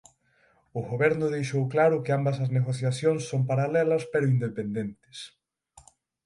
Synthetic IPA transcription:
ʊɣoβɛɾnʊðejʃowklaɾʊkɪambɐsɐzneɣ̞oθjaθjoŋsːompaɾalɛlɐspeɾʊind̪epend̪ent̪ɪ̥s

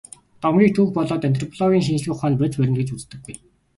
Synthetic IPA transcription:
t̪ɔmɡʲiːk̚t̪ʰuːxpɔɮɔːt̪ænt̪̬ʰrɔpʰɔɮɔɣʲiːŋʃ̬int͡ɕ̆ɮɣɘ̆kχaːnpet͡spæɾʲɪ̆nt̪ɡɘ̆t͡ɕut͡st̪ɘ̆ɡ̚ːuj

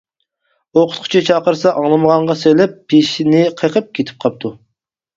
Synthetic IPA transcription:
oqʰʊt̪qʰʊ̥t͡ʃʰit͡ʃʰɑqəɾsɑʔɑŋlˠɨməʁɑɴʁɑselɛpːeʃɪnɪqʰəqʰəp̚kʲʰet̪ʰɪ̥p̚qʰɑp̚t̪ʰu

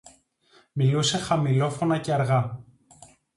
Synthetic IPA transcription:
miluse̞xɐmilo̞fo̞nɐceɐɾɣɐ

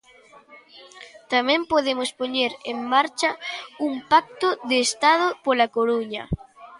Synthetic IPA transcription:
t̪amɛ̃mpoðemʊspoɲeɾeŋmaɾt͡ʃɐuŋpak̚t̪oðeːst̪aðʊpolakoɾuɲɐ̰

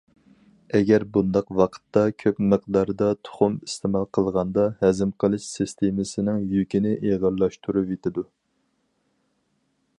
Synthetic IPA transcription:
ɛɡʲæɾbund̪ɑqwɑqʰə̥t̪ːɑkʲʰøpmɨqd̪ɑɾd̪ɑt̪ʰo̥χʊmist̪ʰemɑlˠqʰəlˠʁɑnd̪ɑhɛzɪmqʰəlˠɨʃsɨst̪ʰemɪsɪnɪŋjykʲɪnɪʔeʁɑɾlːˠɑʃt̪ʰuɾuvet̪ʰɪd̪u

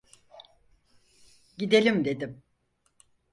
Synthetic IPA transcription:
ɟid̪e̞lʲimd̪e̞d̪im

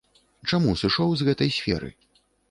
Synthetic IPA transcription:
t͡ʂamusɨʂɔwzɣɛt̪ɐjsʲfʲɛ̰ɾɨ̰

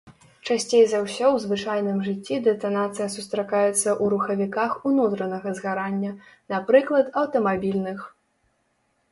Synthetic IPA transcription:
t͡ʂasʲt͡sʲejzɐwsʲɔwzvɨt͡ʂajnɨmʐɨt͡sʲːid̪ɛt̪ɐnat̪sɨjɐsust̪ɾakajɛt̪sːɐʔuɾuxɐvʲikaxunut̪ɾɐnɐɣɐzɣaɾanʲːɐnapɾɨklˠɐt̪ɐwt̪ɐmabʲilʲnɨx

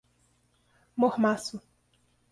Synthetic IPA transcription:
mohmasu

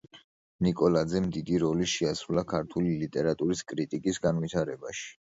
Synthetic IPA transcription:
nikʼɔlad̪zɛmd̪id̪iɾɔliʃiasɾulakʰaɾt̪ʰulilit̪ʼɛɾat̪ʼuɾiskʼɾit̪ʼikʼisɡanvit̪ʰaɾɛbaʃi̥

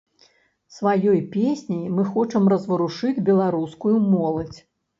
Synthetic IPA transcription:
svajɔjpʲesʲnʲijmɨxɔt͡ʂɐmrɐzvɐɾuʂɨd͡zʲbʲɛlˠaɾuskujumɔlˠɐt͡sʲ

